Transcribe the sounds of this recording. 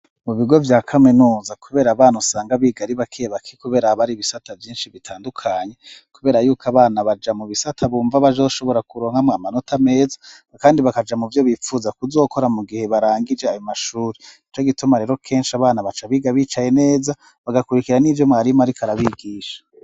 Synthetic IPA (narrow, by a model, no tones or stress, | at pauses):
muβiɡo̞vjaːkʰaminuːzakuβe̞ːɾaβaːnusaːŋɡaβiːɡaɾiβakʰijeβakʰikuβe̞ːɾahaβaɾiβisatʰavjiːnʃiβitʰaːndukʰaɲe̞kuβe̞ːɾajuːkʰaβaːnaβad͡ʒamuβisatʰaβuːɱvaβazo̞ːʃo̞βoɾakuɾoːŋhamŋaːmano̞tʰame̞ːzḁ | kaːndiβakad͡ʒamuvjo̞βifuːzakuzo̞ːko̞ɾamuɡihe̞βaɾaːŋɡid͡ʒeajomaʃuːɾiit͡ʃo̞ɡitumaɾe̞ːɾo̞kʰe̞ːnʃiaβaːnaβat͡ʃaβiːɡaβit͡ʃaje̞ne̞ːza | βaɡakuɾikiɾanivjo̞mŋaːɾimaɾikʰaɾaβiɡiːʃḁ